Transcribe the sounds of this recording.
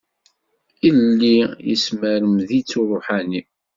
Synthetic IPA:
ilːijḭsməɾəmðit͡sːuɾˤʊħani

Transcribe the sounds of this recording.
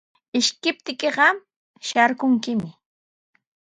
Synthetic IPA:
ɪʃkɪp̚t̪ɪkeɢɑ | ʃaɾkʊŋkɪmɪ

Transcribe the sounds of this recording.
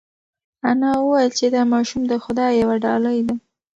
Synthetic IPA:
anɑwəwɑjəlt͡ʃed̪ɑmɑʃumd̪əxʊd̪ɑjjawaɖɑləjd̪a

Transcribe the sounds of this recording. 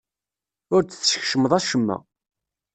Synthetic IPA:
ʊɾt͡sθːʃçʃəməðˤæʃəmːæ̰

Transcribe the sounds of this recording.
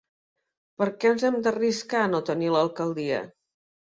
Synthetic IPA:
pəɾkɛənzɛmd̪əriskanot̪əniləlˠkəlˠd̪iə̰

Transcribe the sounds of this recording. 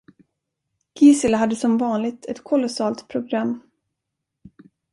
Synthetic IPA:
ɡ̥iːsəlɦad̪ːəsɔmvɑːnlɪɡ̚t̪ʰɛt̪kʰɔlɔsɑːlt̪pʰɾʊɡɾamː

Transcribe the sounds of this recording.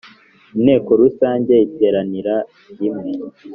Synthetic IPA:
ine̞ːko̞ɾusaːɲɟe̞iteːɾaniɾa | jimŋe

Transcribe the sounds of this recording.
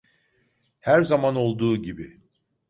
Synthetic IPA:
hæɾzamano̞lˠd̪uːɟibi

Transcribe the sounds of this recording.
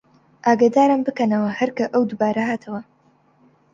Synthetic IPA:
ʔaːɡad̪aːɾɨmbɨkɐnɐwɐhɐɾkɐʔɐwd̪ubaːɾɐɦaːt̪ʰɐwɐ

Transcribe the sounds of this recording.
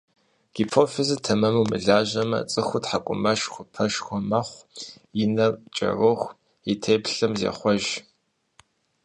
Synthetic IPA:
ɡ̥ipʰoːfɪzɨtʰɐmɐmuwmɨ̰ɮaːʑɐmɐ̰t͡sʼɨxʷʊtħakʷʼʊ̰mɐʃxʷʊpʰɐʃxʷʊmɐχʷ | jɪnɐrt͡ʃʼɐ̰roχʷ | itʰeːpɬɐmzḛχʷɔʒ

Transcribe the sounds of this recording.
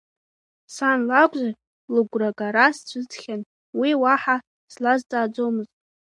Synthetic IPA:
sanlaɡʷʼza | lɨɡʷraɡʼaɾast͡ɕʷʰʼɨd͡zχʲan | wiwaħa | slazd͡zʼaːd͡zo̞mɨzt

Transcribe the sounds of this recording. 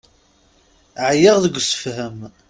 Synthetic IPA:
ʕjəʁðəɡʷːsə̥fhəm

